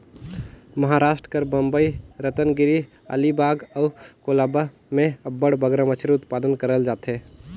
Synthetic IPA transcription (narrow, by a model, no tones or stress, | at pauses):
mɐɦaɾaːʃʈɾəkəɾbəmbəiɾət̪ənɡɪɾi | ə̰libaːɡəkolaːba | mẽəbːəɽbəɡɾəmət͡ʃʰɾʊt̪paːd̪ənkəɾəld͡ʒaːt̪ɦe